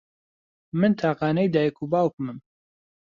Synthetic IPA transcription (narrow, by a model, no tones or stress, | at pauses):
mɨnt̪ʰaːqɑːnɛjd̪aːjkʰubaːwkɨmɨm